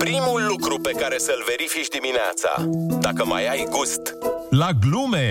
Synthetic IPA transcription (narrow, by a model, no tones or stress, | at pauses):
pɾimulːukɾupe̞kaɾe̞səɨlve̞ɾifit͡ʃʲd̪iminea̰t̪sa̰d̪akəma̰jajɡust̪laɡlume